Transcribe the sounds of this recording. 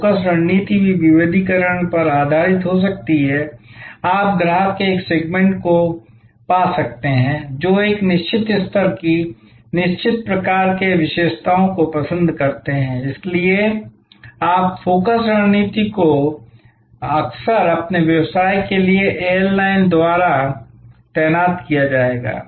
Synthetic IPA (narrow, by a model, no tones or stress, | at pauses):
kəsɾəɦniːt̪ibʱiʋɪʋeːd̪ʱikəɾəɳ̃pɐɾaːd̪ʱaːɾɪt̪ɦos̬ɐk̚t̪iɦɛaːp̚ɡɾaːɦkeeːkseːɡmẽɳʈko | paːsɐk̚t̪eɦɛ̃ːd͡ʒoːeːknɪʃt͡ʃɪt̪ɪst̪ʰəɾki | nɪʃt͡ʃɪt̪̚pɾɐkaːɾkeʋɪʃeːʃt̪ʰaːõkopɐsə̃nd̪ʱkɐɾt̪eɦɛ̃ɪslie | aːpfoːkəsɾəɦniːt̪iko | ɐksəɾɐpneʋjɐʋsaːikelieʔeːəɾlaːɪnd̪waːɾa | t̪ɛːnaːt̪kijad͡ʒaːeːɡa̰ː